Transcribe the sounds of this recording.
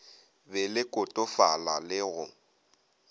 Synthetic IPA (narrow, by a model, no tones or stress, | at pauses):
bɛlɪkʼʊtʼʊfalalɪɣʊ